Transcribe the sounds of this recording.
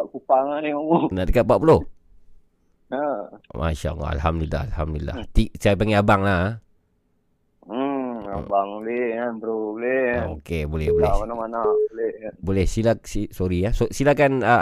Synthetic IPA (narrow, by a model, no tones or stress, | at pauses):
aʔkupaŋaniomonaʔt̪ikat̪̚paʔpulo | əma̰ʃa̰ʔla̰a̰lɦamd̪uila̰alhamd̪uilːa̰ht̪iʔsajapaŋeabaŋla | a̰baŋleanbəɾobleokebolɛhbolɛmanamanabolɛbolɛhsilaksisoɾiasosilakanə